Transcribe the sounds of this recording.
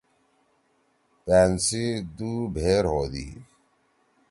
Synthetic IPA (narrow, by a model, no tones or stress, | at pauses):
peːnsid̪uːbʱeːɾɦoːd̪ḭ